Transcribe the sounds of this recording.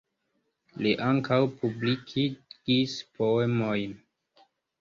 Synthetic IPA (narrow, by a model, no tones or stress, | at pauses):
liʔaŋkʰawpublikʰiɡ̥ispʰo̞emo̞jn